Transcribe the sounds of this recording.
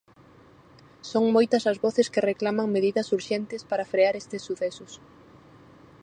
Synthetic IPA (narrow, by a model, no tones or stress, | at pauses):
soŋmojt̪ɐsɐzβɔθɪskɪreklamɐŋmeðiðɐsuɾʃɛnt̪ɪspaɾɐfɾeaɾest̪ɪsːuθɛsʊs